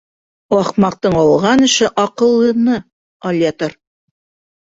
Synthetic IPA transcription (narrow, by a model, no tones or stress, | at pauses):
ɑχmɑq̚t̪ɤɴɑlˠʁɑnɘ̆ʃɘʔɑqɤ̆lˠːɤ̆nɤ | ɐlʲet̪oɾ